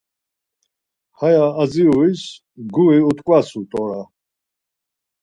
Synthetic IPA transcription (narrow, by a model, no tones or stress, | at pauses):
hajaːziuis | ɡuiut̪ʼkʼwasut̪ʼɔɾa